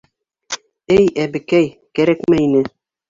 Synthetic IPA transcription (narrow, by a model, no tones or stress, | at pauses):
ɘjæbɘ̆kæjkæɾækmæinɘ